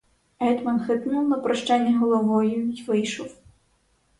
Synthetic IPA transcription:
ɛd̪mɐnxɨt̪nuwnɐpɾɐʂt͡ʂanʲːɛɦɔlˠɔvɔjuivɨjʂɔw

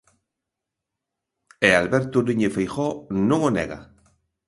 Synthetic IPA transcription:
ealβeɾt̪uniɲefejxonũŋonḛɣa̰

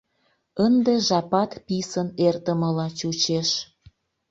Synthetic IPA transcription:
ənd̪eʒɑpɑt̪pisənert̪əməlɑt͡ɕut͡ɕeʃ

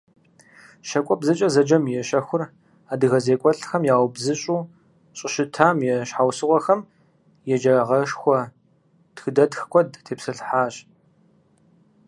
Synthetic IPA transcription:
ʃɐkʷʼɔbzɨt͡ʃʼɐzɐd͡ʒɐmjɛɕɐxʷʊr | aːdɨɣɐzeːkʷʼɔɬxɐmjaːwbzɨɕʼuː | ɕʼɪʃɨtʰaːmjɛʃħawsɨʁʷɔxɐm | jɛd͡ʒɐʁɐʂxʷɔ | d̥xɨdɐdxkʷʰɔdtʰeːpsɨɬħaːɕʼ

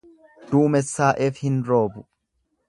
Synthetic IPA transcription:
d̪̥uːmɛsːaːʔeːfhɪnɾo̞ːbʊ

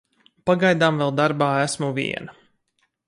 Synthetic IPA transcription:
paɡajd̪aːmvɛlˠd̪aɾbaːæsmuvḭɛ̰na

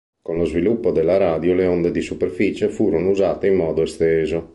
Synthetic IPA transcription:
konlozvilupːod̪elːaɾaːd̪joleond̪ed̪isupeɾfit͡ʃefuːɾonouzaːt̪eimːɔːd̪oɛst̪ɛːzo

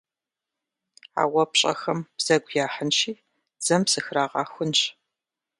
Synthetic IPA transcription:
a̰ːwɐpɕʼɐ̰xɐmb̥z̥ɐɡʷjaːħənʃiː | d͡z̥ɐmpsɨxraːʁɑːxʷʊnɕ

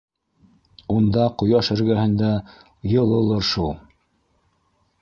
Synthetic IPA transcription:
und̪ɑqŏjɑʃɘ̆ɾɡæhɘ̆nd̪æ | jɤ̆lˠɤ̆lˠɤɾʃulˠ

